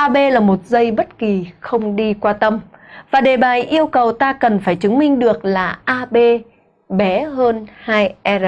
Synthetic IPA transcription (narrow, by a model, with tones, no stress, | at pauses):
ʔaː˧ɓe˧laː˨˩mo˨˩t̚zə˧jɓə˦˥t̚ki˨˩xə˧wŋ͡mɗi˧kwaː˧t̪ə˧mvaː˨˩ɗe˨˩ɓaː˨˩jʔi˧əwkə˨˩wt̪aː˧kə˨˩nfaː˧˩jt͡ɕɨ˨˦ŋmï˧ŋ̟ɗɨ˨˩ək̚laː˨˩ʔaː˧ɓe˧ | ɓɛ˨˦ɦəː˧nhaː˧jʔɛ˧